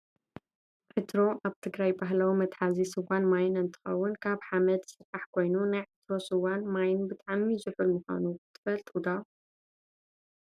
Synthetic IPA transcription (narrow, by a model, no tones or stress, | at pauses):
ʕɨt̪ʰɾo̞ʔaβt̪ʰɨɡɾajbaɦlɐwmɐt̪ʼħazisɨwanmajɪnɨnt̪ʰɨ̥xɐ̰wːʊnkʰaβħamɐd̪sɨɾʔaħkʰo̞jnunajʕɨt̪ɾo̞sɨwanmajɪnbɨt̪ʼaʕmizɨħulmɨxʷa̰nut̪ʰɨ̥fɐlt̪ʼud̪a